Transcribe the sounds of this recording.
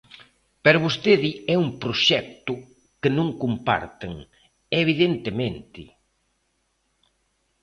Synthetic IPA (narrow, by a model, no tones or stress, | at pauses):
peɾaβost̪eðiɛumpɾoʃɛk̚t̪ʊ | kenõŋkumpa̰ɾt̪eŋ | eβ̞iðent̪emẽnt̪ɪ̰